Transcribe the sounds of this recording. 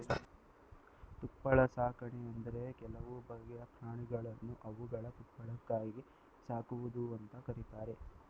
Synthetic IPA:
t̪upːɐɭɐsaːkɐɳeɐnd̪ɐɾe̞kɛlɐʋubɐɡːɛjɐpʰɾaːɳiɡɐɭɐnːuʔɐʋuɡɐɭɐt̪upːɐɭɐkːaːjɡi | saːkuʋud̪uɐnt̪ɐkɐɾit̪aːɾe̞

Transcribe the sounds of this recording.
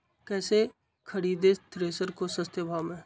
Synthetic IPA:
kɛːse | kʰəɽiːd̪et̪ɾeːsəɾkosə̃st̪jəbʱaːmɛ̃ː

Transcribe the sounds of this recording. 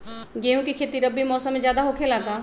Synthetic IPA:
ɡeːɦũkikʰeːt̪iɾɐbːimɔːsəmːẽd͡ʒjaːd̪aɦoːkʰelaːt̪aː

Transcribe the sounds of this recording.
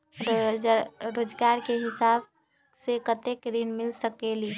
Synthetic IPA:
ɾoːd͡ʒɡaɾkeɦɪsab | sekət̪ekɾinmɪlsəkeli

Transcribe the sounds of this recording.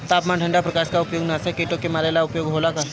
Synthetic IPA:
t̪aːpmãʈʰə̃ɳɖapɾɐkaʃkaʊpjoːɡnasekeʈõkemaːlelaʊpjoːɡɦoːlakəɾ

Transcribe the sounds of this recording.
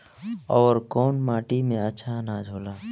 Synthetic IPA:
ɔːɾkoːnmaːʈimẽət͡ʃʰanad͡ʒʱoːlaː

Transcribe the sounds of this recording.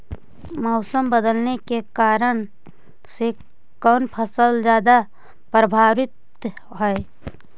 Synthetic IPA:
mɔʊsəmbəd̪əlnekekaːɾən | se | kɔːnpʰəsəld͡ʒjaːd̪a | pɾəbʱaːʋɪt̪ | ɦɛe

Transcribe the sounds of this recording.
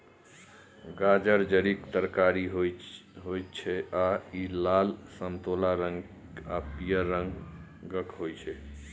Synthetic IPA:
ɡad͡ʒəɾd͡ʒəɾikt̪əɾkaɾiɦɦoj̪t͡ʃʰɛʔailalsəmt̪olaɾəŋɡ | apijəɾəŋɡ | ɡəkɦojt͡ʃʰɛ

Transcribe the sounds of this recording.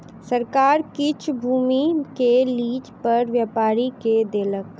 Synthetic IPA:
səɾkaːɾkɪt͡ʃʰbʱuːmikeliːd͡ʒpɐɾʋjaːpaːɾiked̪eːlək

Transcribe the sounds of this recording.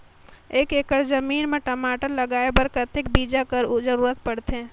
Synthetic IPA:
eːkekəɾd͡ʒəmiːnmeʈəmaʈələɡaebəɾkət̪ek̚bid͡ʒakəɾd͡ʒəɾuːɾət̪pəɽt̪ẽ

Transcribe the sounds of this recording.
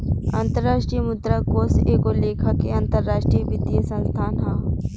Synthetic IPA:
ant̪əɾːaːʃʈɾijəmʊd̪ɾakoːsekoleːkʰakeãnt̪əɾːaːʃʈɾijbɪd̪ijəsə̃nst̪ʰaːnɦãː

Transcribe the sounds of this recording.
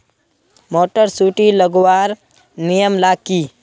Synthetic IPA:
moːʈəɾsuːʈiləɡwaːɾ | nijəmlaːkiː

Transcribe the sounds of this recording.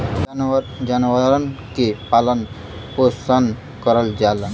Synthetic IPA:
d͡ʒanwaɾənkepalən | posan | kɔɾəld͡ʒal

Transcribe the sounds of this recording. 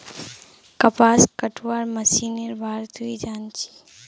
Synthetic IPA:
kəpaːskəʈʰwaːɾməsiːneɾbʱaːɾt̪ɦuid͡ʒaːnt͡ʃʰi̥

